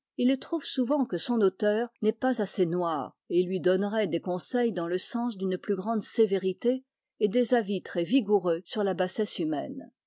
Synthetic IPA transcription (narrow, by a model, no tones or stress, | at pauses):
ilt̪χuvsuvɑ̃kəsɔ̃not̪œːʁnɛpazasenwaːʁ | elɥid̪ɔnʁɛd̪ekɔ̃sɛjd̪ɑ̃ləsɑ̃sd̪ynplyɡʁɑ̃d̪seveʁit̪eː | d̪ezavit̪χɛviɡuʁøsyʁlabasɛsymɛ̰n